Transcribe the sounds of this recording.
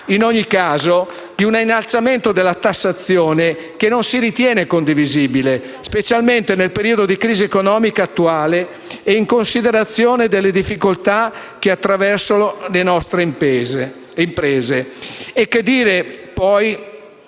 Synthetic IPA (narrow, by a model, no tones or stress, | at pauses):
inɔɲːikaːzo | d̪iunainːalt̪sament̪od̪elːat̪asːat̪sːjoːne | kenonsiɾit̪jɛːnekond̪iviziːbile | spet͡ʃalment̪enelpeɾiːod̪od̪ikɾiːziekonɔːmikaːt̪ːuaːleː | iŋkonsid̪eɾat̪sːjoːned̪elːed̪ifːikolt̪a | k̟eat̪ːɾavɛrsonolenɔst̪ɾez | impɾeɛːzeekːed̪ːiːɾepɔj